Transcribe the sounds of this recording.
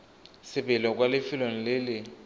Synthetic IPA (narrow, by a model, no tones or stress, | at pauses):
sɪbɛlɔk̬ʼwalɪfɪlon̩lɪlɪ